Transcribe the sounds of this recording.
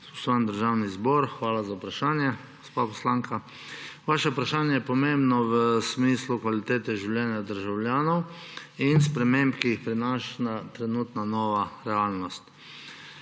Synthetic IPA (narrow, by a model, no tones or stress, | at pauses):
usɔnd̪əɾʒawnizbɔɾxʋaːlazaupɾaʃaːnjɛɡ̥ospapɔslaːŋka | ʋaːʃɛpɾaʃaːnjɛjɛpɔmembnɔʋəsmislukʋalit̪eːt̪ɛʒiwljɛːnjad̪əɾʒawljaːnɔw | inspɾɛmẽmpkiixpɾinaʃnat̪ɾɛnuːt̪nanɔːʋaɾɛaːlnɔst̪